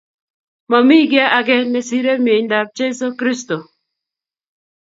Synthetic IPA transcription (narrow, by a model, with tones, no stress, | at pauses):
mɔ˨mi˦ɡɛ˦ʔa˨ɡɛ˦nɛ˨si˦ɾe˦mje˨ɲnda˨p̚t͡ʃe˦so˦kɾi˦sto˨